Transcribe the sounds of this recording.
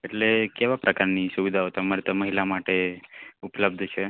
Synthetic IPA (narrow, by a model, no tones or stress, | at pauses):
eʈlekeʋapɾʔəkaɾnisuʋid̪ʱaot̪əmaɾit̪əməɦilamaʈeupləb̚d̪ʱt͡ʃʰe